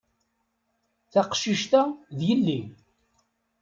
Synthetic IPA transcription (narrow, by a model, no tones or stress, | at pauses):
θaqʃiʃt̪æðjəlːi